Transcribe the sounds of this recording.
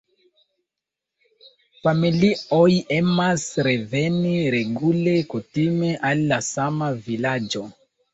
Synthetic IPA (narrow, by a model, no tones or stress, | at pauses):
familioje̞masɾe̞ve̞niɾe̞ɡule̞kutime̞ʔalːasamavilad͡ʒo̞